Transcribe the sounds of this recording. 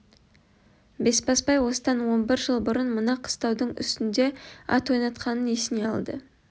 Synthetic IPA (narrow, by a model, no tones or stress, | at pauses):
be̞spɑspɑjwo̞səd̪ɑnwo̞nbɪɾʒəlˠbʊɾənmʊnɑqʰə̥st̪ɑwd̪əɴʏ̰st̪ɪnd̪e̞ɑ̰t̪wo̞jnɑt̪qɑnənesɪne̞ɑlˠd̪ə̰